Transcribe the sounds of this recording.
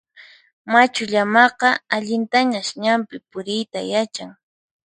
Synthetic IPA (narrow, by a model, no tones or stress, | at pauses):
mat͡ʃʊʎamɑqɑaʎɪnt̪aɲaʃɲampɪpʊɾɪjt̪a̰jat͡ʃaŋ